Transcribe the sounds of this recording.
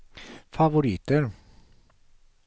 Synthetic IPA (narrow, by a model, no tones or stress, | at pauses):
faʋʊɾiːt̪əɾ